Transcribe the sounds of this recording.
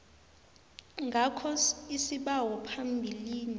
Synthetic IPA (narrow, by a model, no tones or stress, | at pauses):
ŋɡʱakʰɔisiɓawɔpʰambʱiliːni